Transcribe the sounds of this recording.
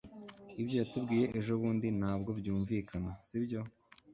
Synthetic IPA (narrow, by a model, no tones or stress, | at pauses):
ibjo̞jatubɡiːje̞ʔeʒoβuːndin̥aːbɡo̞bjuːɱvikanasibjo̞